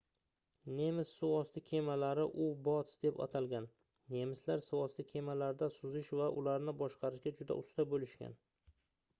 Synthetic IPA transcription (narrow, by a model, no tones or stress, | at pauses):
ne̞mɪsːʊɒst̪ɪkʲʰe̞malaɾɪʔʊbɒt̪sd̪epa̰t̪ʰalˠɡʲanː | e̞mɪslaɾsʊɒst̪ɪkʲʰe̞malaɾd̪asʊzɪʃvaʔʊlaɾnɪbɒʃqʰɑɾɪʃɡʲad͡ʒʊd̪a̰ʔʊst̪abolɪʃkʲa̰n